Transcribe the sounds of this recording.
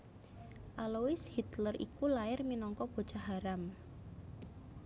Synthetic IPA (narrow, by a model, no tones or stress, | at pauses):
ʔalowɪshit̪lərḭkulaɪrminɔŋkɔb̥o̤t͡ʃaɦaɾam